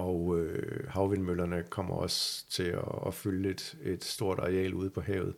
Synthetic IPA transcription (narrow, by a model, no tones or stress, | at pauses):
ɒʊøhɑ̈ʊʋenmølɐnəkʰɒ̽m̰ɐɒ̽st͡sʰe̝ɒːfyled̥e̝d̥sd̥o̝ɐ̰d̥ɑ̈ʁɛ̰ːluð̞ˠpʰɒ̽ɦɛ̰ʊð̞̩ˠ